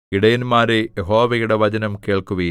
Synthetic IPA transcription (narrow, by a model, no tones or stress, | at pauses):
iɽɐjɐnmaːɾejeɦo̞ːʋɐjuɽeʋɐd͡ʑɐnɐmke̞ːɭkuʋɐ